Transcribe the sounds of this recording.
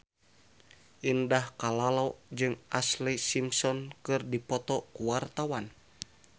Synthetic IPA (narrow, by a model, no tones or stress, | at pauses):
ʔindahkalalad͡ʒɨŋʔaslisimsɔnkɨrdipɔt̪ɔkuwart̪awan